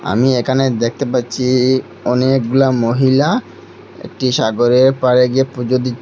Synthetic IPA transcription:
a̰miekʰaned̪ek̚ʰt̪epaɾːɕʰi | ɔnekɡulamoɦila | ḛk̚ʈiʃaɡoɾeɾpaɾeɡiepɾud͡ʑod̪itː

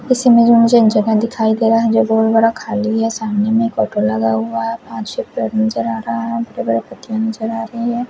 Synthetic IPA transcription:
kɪsimẽd͡ʒõmʊd͡ʒʱed͡ʒɐɡad̪ɪkʰaːid̪eːɾaɦɛd͡ʒoɡoːɾbɐɽakʰaːliɦɛsaːmnemẽkoːʈolɐɡaɦʊaɦɛpãːt͡ʃsepɾeɾnɐzəɾaːɾɐɦaɦɛ̃bɐɽebɐɽepɐt̪ijãnɐzəɾaːɾɐɦiɦɛ̃ː

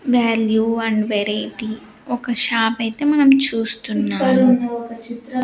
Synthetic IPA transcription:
ʋaːljuɐɳɖʋeɾajʈi | ɔkɐʃaːpɐjt̪e̞ːmɐnɐmt͡ʃuːst̪unːaːmu

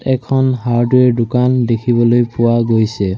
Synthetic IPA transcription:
tɛkʰɔnɦaɹdʊɛdʊkandekʰibɔlojpʊwaɡojsɛ

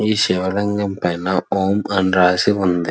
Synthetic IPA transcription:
iːsɛʋɐlɐŋɡɐmpɐjnaoːmɐnɾaːsiʋɐnd̪ɯ

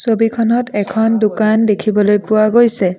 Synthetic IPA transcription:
sobikʰɔnɔtɛkʰɔndukandekʰibɔlojpʊwaɡojsɛ

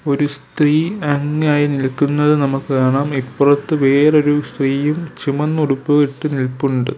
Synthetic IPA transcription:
o̞ɾust̪riːɐŋːaːjinilkːunːɐðɨnɐmukːɨkaːɳaːmipːurɐt̪ːɨʋe̞ːro̞ɾust̪riːjumt͡ɕimɐnːuɽupːuɣiʈːɨnilpːuɳɖɨ

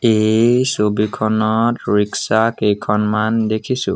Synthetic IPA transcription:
ejsobikʰɔnɔtɹiksakejkʰɔnmandekʰisʊ̰̃

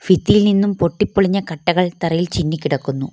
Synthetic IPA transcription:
fit̪ːilninːumpo̞ʈːipːoɭiɲːɐkɐʈːɐɣɐɭt̪ɐrɐjilt͡ɕinːikʲːiɽɐkːunːu

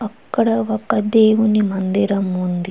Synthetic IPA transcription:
ɐkːɐɽɐokːɐd̪eːwunimɐnd̪iɾɐmund̪i

